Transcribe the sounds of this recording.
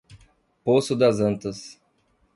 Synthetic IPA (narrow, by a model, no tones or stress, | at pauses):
posʊd̪ɐzɐ̃nt̪ɐs